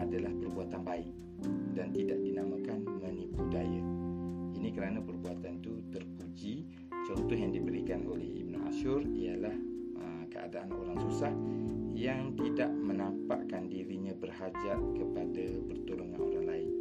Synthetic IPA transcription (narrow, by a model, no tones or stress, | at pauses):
adalahpərbuat̪anbaɪk̚ | dant̪idaʔdinamakanmənipudaja | inikəɾanapərbuat̪ant̪ut̪ərpud͡ʒi | t͡ʃɔnt̪ɔɦjaŋdibəɾikano̰lɛ̰hḭb̚nua̰ʃʊrialahəmkəʔa̰daʔanoɾaŋsusahjaŋt̪idaʔmənampa̰ʔkandiɾiɲãbərhad͡ʒaʔ̚kəpadapərt̪uluŋa̰no̰ɾaŋlaɪn